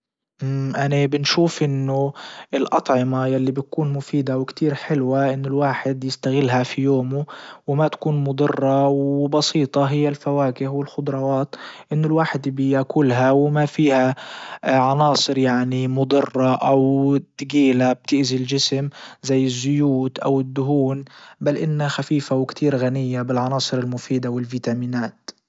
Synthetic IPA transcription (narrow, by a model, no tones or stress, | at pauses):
ʔanabɪnʃuːfʔɪnːʊʔɪlʔɑt̪ˤʕɪmajalːibɪt̪̚kuːnmʊfiːd̪awɪkt̪iːɾħɪlwaʔɪnːʊlwaːħɪd̪jɪst̪aɣɪlːɦafijoːmʊwɪmat̪ḁkuːnmʊd̪ˤɨrˤːɑwbɑsiːt̪ˤɑɦɪjːalfawaːkɪhwɪlxʊd̪ˤɾˤɑwɑːt̪ʔɪnːʊlwaːħɪd̪bɪjakʊlɦawɪmafiːha | ʕɑnɑːsˤɨɾjaʕnimʊd̪ˤɨrˤːɑʔawt̪ːɡiːlab̚t̪ɪʔzild͡ʒɪsɪmzajːɪzːʊjuːt̪ʔawɪd̪ːʊɦuːnbalʔɪnːaxafiːfawɪkt̪ʰiːɾɣanɪjːabɪlʕɑnɑːsˤɨɾɪlmʊfiːd̪awɪlviːt̪amiːnaːt̪